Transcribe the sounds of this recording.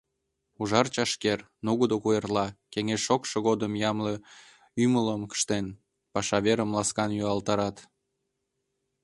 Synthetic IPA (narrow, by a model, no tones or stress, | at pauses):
uʒɑrt͡ɕɑʃker | nuɣəd̪okuerlɑkeŋesʃokʃəɣod̪əmjɑmlə | ymələmkə̥ʃt̪en | pɑʃɑβeɾəmlɑskɑnjyɑlt̪ɑɾɑt̪